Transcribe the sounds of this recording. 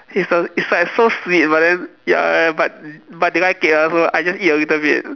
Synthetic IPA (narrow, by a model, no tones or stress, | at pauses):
hisɔisasoswit̚badɛ̃nja̰bat̚bat̚diɡakelasoajd͡ʒasiwitəbit̚